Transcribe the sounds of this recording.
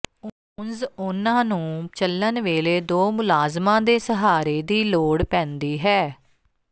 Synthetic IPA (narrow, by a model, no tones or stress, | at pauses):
o | nzʊnãːnũːt͡ʃələnʋeːleːd̪oːmʊlaːzmãːd̪eːsəɦaːɾeːd̪iːloːɽpɛ̃ːnd̪iːɦɛː